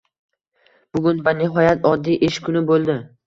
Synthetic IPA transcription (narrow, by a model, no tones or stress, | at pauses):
b̥ʊɡʲʊnvanɪɦɒjat̪ʰɒd̪ːijʔeʃkʰʊnɪbolˠd̪ɪ